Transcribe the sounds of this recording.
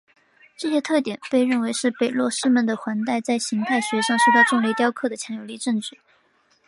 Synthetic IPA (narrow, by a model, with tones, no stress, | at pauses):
ʈ͡ʂɤ˥˧ɕjɛ˥t̪ʰɤ˥˩t̪̬jɛ˨˩˦npe˥˧ɪɻə˥˩nwe˧˥ɪʂɻ̩˥˩pe˨˩ɪlwɔ˥˧ʂɻ̩˥mə˨˩nd̪ə˩xwa˧˥nt̪a˥˩ɪt͡sa˥˩ɪɕi˧˥ŋt̪ʰa˥˩ɪɕɥɛ˧˥ʂɑ˥˧ŋʂʊt̪ɑ˥˧ʊʈ͡ʂʊ˥˧ŋle˥˧t̪jɑ˥ʊkʰɤ˥˩d̪ə˩t͡ɕʰjɑ˧˥ŋjo˨˩ʊli˥˧ʈ͡ʂɤ˥˧ŋt͡ɕɻy˥˩